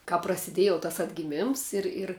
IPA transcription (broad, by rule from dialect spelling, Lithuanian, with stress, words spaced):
kɑːp prɐsʲɪˈdʲeːj jɛʊ tɐs ɐdʲɡʲɪˈmʲɪms ˈɪr ɪr